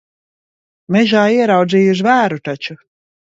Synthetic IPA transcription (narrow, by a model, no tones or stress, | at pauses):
mɛʒaːiɛɾawd̪ziːuʃ̬væːɾut̪at͡ʃu